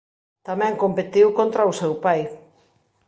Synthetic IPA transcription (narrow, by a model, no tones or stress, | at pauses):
t̪amɛ̃ŋkompet̪iwkont̪ɾausɛwpaj